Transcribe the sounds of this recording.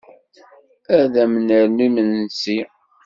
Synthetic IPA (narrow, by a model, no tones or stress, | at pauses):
æðæmənəɾnimənːsi